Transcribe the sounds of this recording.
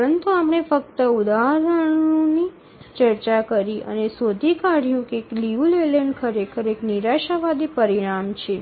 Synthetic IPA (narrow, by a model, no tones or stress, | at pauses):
ɾənt̪uapɳ̃efək̚t̪əud̪aɦɾəɽ̃oni | t͡ʃəɾt͡ʃakəɾiə̰nesod̪ʱikaɽ̤jũkeːkliʋuleleɳɖkʰəɾekʰəɾekniɾaʃaʋad̪ipəɾiɽ̃amt͡ʃʰe